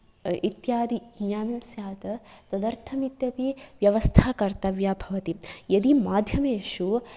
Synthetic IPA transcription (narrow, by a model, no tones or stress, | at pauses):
it̪jaːd̪iɡɲaːnɐmsjaːt̪ɐt̪ɐd̪ɐɾt̪ʰɐmit̪jɐpiʋjɐʋɐst̪ʰaːkɐɾt̪ɐʋjaːbʱɐʋɐt̪ijɐd̪imaːd̪ʱjɐmeːʃu